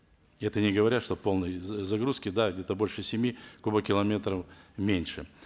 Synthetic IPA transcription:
ɛt̪ənʲɪɡəvɐɾʲat̪ʂt̪o̞po̞lˠnəjzɐɡɾuskʲɪd̪aɡdʲet̪əbo̞lʲʂɨsʲɪmʲikubəkʲɪlˠɐmʲe̞t̪ɾəfmʲenʲʂɨ

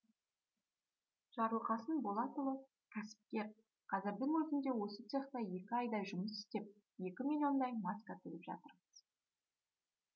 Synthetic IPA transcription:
ʒ̥ɑɾuqɑsənbo̞lˠɑt̪əlˠə | kʲʰæsɪ̥p̚kʲe̞ɾ | qʰɑzɪɾd̪ɪŋwɵzɪnd̪e̞wo̞sət̪ʰeχt̪ɑje̞kʲɪɑjd̪ɑʒʊməsɪ̥st̪e̞p̚ | je̞kʲɪmilʲjo̞nd̪ɑjmɑskat̪ʰɪlɪpʒɑ̰t̪əɾməz̥

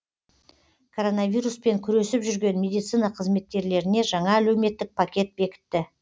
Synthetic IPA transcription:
kʰo̞ɾo̞navʲijɾuspe̞ŋkʲʰʏɾe̞sɪpʒʏɾɡʲe̞nmʲe̞d̪ijt̪sijnɑqʰəzme̞t̪̚kʲe̞ɾle̞ɾɪne̞ʒɑɴɑælewme̞t̪ːɪk̚pʰakʲe̞t̪̚be̞kʲɪ̥t̪ːɪ

